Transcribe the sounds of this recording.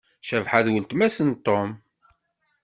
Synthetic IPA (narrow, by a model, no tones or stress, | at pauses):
ʃævħaðwəlt̪mæsənt̪ːom